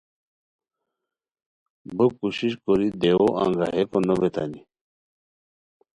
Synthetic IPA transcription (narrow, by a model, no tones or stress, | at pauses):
bəkuɕiɕkoɾid̪ewoʔã̰ŋɡaɦekonobet̪a̰ni